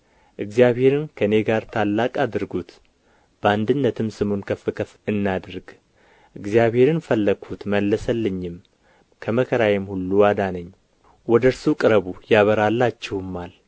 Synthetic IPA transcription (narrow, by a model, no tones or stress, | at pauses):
ʔɨɡzijaβhe̞ɾɨnkʰəne̞ɡaɾt̪ʰalːakʼad̪ɨɾɡut̪ | b̥əand̪ɨnːət̪ʰɨmsɨmonkʰəfːɨkʰəfɨnːad̪ɾɨɡ | ʔɨɡzijaβhe̞ɾɨnfəlːəɡʰut̪məlːəsəlːɨɲːɪm | kʰəməkʰəɾajɛmhulːuwad̪anəɲː | wɔd̪əɾsukʼɨɾəβujaβəɾalːat͡ʃːɛwɨmːal